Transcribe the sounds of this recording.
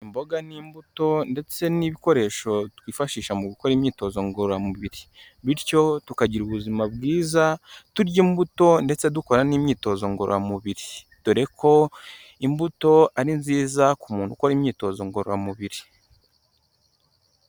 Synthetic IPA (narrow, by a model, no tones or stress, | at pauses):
imbo̞ɡaniːmbuto̞nde̞t͡se̞niβiko̞ɾe̞ʃo̞twiːfaʃiːʃamuβikoɾiːmɲiːto̞zo̞ŋɡoɾoɾamuβiɾi | βiɾco̞tukaɟiɾuβuzimabɡiːzatuɾɟiːmbuto̞nde̞t͡seduko̞ɾaniːmɲiːto̞zo̞ŋɡo̞̰ɾo̰ɾamuβiɾi | tuɾe̞kʰo̞ | imbuto̞aɾinziːzakumuːnhukoɾimɲiːto̞zo̞ŋɡo̞ɾo̰ɾa̰muβiɾi